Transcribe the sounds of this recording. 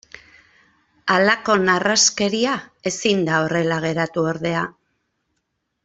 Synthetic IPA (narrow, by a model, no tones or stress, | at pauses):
alako̞naraske̞ɾiae̞sind̪ao̞re̞laɣ̞e̞ɾat̪uoɾðe̞a